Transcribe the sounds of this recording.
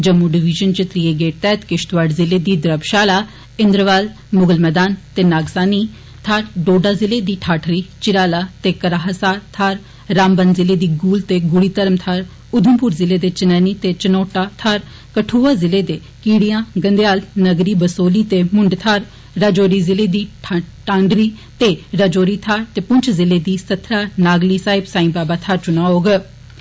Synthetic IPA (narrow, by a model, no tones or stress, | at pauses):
d͡ʒəmːuɖɪʋɪʒənt͡ʃət̪ɾiːeːɡeːʈt̪ɛːt̪kɪʃt̪ʋaːɖzɪleːd̪iːd̪ɾəbʃaːlaː | ɪnd̪ɾəʋaːl | mʊɡəlmɛːd̪aːnt̪eːnaːɡsaːniː | t̪ʰaːɾɖoːɖaːzɪleːd̪iːʈʰaːʈʰɾiːt͡ʃɪɾaːlaːt̪eːkəɾaːɦəsaːɾt̪ʰaːɾː | aːmbənzɪleːd̪iːɡuːlt̪eːɡʊɽiːt̪əɾəmt̪ʰaːɾ | ʊd̪ʱəmpuːɾzɪleːd̪eːt͡ʃənɛːniːt̪eːt͡ʃənoːʈaːt̪ʰaːɾ | kəʈʰuːaːzɪleːd̪eː | kiːɽijãːɡənd̪ejaːlnəɡɾiːbəsoːliːt̪eːmʊɳɖt̪ʰaːɾ | ɾad͡ʒoːɾiːzɪleːd̪iːʈãːɳɖɾiːt̪eːɾəd͡ʒoːɾiːt̪ʰaːɾt̪eːpʊɲt͡ʃʰzɪleːd̪iːsət̪ʰɾaːnaːɡliːsaːɪbsaːĩːbaːbaːt̪ʰaːɾt͡ʃʊnãːɦoːɡ